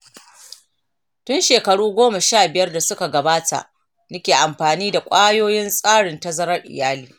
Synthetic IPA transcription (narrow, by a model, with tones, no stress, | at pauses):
tʊ˦nʃeː˨kɐ˨ɽuː˦ɡʷoː˦mɐ˨ʃaː˦˨bɪ˨jɐ˦rda˨sʊ˦ka˨ɡɐ˨baː˦tʰa̰˨ʔ | nɐ˦kʲeː˨ʔa˨mɸaː˨niː˦da˨kʷʼaː˦joː˦jɪ˦nsʼaː˦ɽɪ˨ntɐ˦zɐ˦ɾɐ˦rʔɪ̰˨jaː˦liː˨